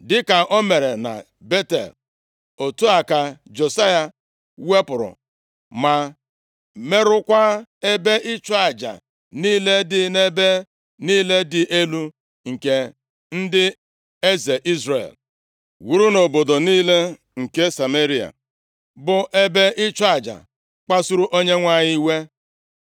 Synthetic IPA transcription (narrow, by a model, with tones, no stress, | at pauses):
dɪ˦ka˨ʔo˦me˨ɾe˨na̰˨ | be˦tḛ˨l | o˨tu˦a˨ka˨d͡ʒo˨sa˦ja˨ | we˦pʊ˨ɾʊ̰˨ | ma˨ | me˦ɾʊ˦kʷa˦e˦be˦ʔɪ˦t͡ʃɔ˦a˨d͡ʒa̰˨ | niː˦le˦dɪ˨ne˦be˦ | niː˦le˦dɪ˨ʔe˦lu˦ | ŋ̩˨ke˦ | n̩˦dɪ˦ | e˦ze˨ʔi˦zɾḛ˨l | wu˦ɾu˦no˨bo˨do˨niː˦le˦ | ŋ̩˨ke˦sa˨me˦ɾi˦a̰˨ | bʊ˨ʔe˦be˦ʔɪ˦t͡ʃa˨d͡ʒa̰˨ | k͡pa˦su˦ɾu˦ʔo˦ɲe˦ŋʷa˦ɲɪ˦i˦we˦